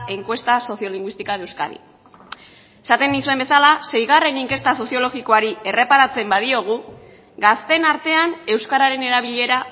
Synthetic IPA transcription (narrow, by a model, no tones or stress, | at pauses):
e̞ŋkwe̞st̪aso̞sio̞liŋɡwist̪ikaðe̞wska̰ɾḭ | e̞sat̪e̞nd̪isue̞mbe̞salase̞jɣ̞are̞niŋke̞st̪aso̞sio̞lo̞ɣiko̞aɾie̞re̞paɾat͡se̞mbaðio̞ɣ̞u | ɡast̪e̞naɾt̪e̞ane̞wskaɾaɾe̞ne̞ɾaβiʎe̞ɾa